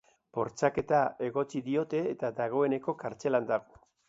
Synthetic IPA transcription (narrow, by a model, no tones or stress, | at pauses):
po̞ɾt͡sake̞t̪ae̞ɣo̞t͡ʃiðio̞t̪e̞ːt̪aðaɣ̞o̞e̞ne̞ko̞kaɾt͡se̞land̪aɣo